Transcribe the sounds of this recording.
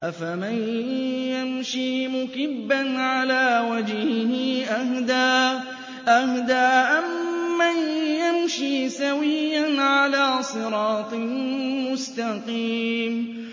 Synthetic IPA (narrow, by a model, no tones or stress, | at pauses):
ʔafamanjamʃiːmʊkɪbːanʕalaːwad͡ʒhɪhɪʔahd̪aː | ʔahd̪aːʔamːanjamʃiːsawɪjːanʕalaːsˤɨɾɑːt̪ˤɨlmʊst̪aqiːm